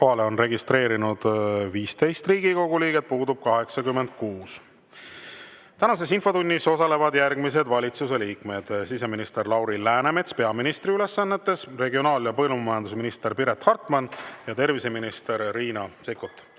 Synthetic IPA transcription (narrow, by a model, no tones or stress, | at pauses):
ko̞ɦɑleo̞nre̞ɡist̪ɾe̞ːɾinud̪̥viːst̪e̞jst̪riːɡ̥iko̞ɡ̥uliːɡe̞t̪̚puːd̪ub̥̚kɑɦe̞ksɑkymːend̪̥̚kuːs | t̪ænɑs̬e̞sinfo̞t̪unʲːiso̞sɑle̞vɑd̪jærɡmis̬e̞d̪vɑlʲit̪suse̞liːkme̞d̪̥sise̞minist̪e̞rlɑwɾilæːneme̞t̪spe̞ɑminist̪ɾiyle̞sːɑnːe̞t̪ːˑe̞sre̞ɡio̞nɑːljɑpɤlummɑjɑnd̪usminist̪e̞ɾpiɾe̞t̪hɑrt̪ˑmɑnjɑt̪e̞rvise̞minist̪eɾːiːnɑsekːˑut̪ːˑ